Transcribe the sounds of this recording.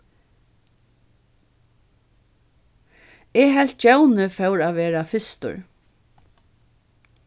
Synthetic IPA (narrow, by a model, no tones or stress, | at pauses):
ɛɦɛl̥t̪̚t͡ʃawnəfœwɾaːʋeːɾafɪst̪ʊ̰ɹ